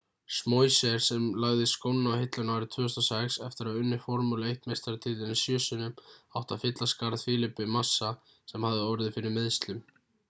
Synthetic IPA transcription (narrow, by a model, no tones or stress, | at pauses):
smoːjsɛɾ̥sɛmlaɣðɪskoːwnnawhɪt̪lʏnawɾɪt̪ʰvʏːʏst̪asɛksɛft̪ɪɾaðʏnːɪ̥fɔɾmulɪejht̪mejst̪aɾat̪ʰɪt̪ːɪnɪsjœːsʏnʏmawht̪avfɪt̪laskaɾðfɪːlɪpːʏmasːa | sɛmhavðɪɔwvɾɪðɪfɪɾɪɾmɪðst̪lʏm